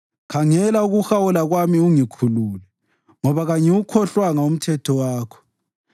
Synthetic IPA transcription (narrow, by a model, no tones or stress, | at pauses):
kʰaŋɛlauɣuxawulaɣwamiuŋikʰuluːlɛ | ŋɔβaɣaɲɛwukʰɔɬwaŋaum̩tʰɛtʰɔwaːkʰɔ̥